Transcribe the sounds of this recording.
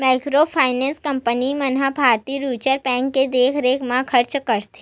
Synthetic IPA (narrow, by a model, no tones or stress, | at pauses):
maːɪkɾopʰaːɪnɛ̃ːnskə̃mpənimɐnɦabʱaːɾt̪iːɾuːt͡ʃəɾpɛ̃ːŋkːed̪eːkʰɾeːkʰmãkʰəɾt͡ʃkəɾt̪e̥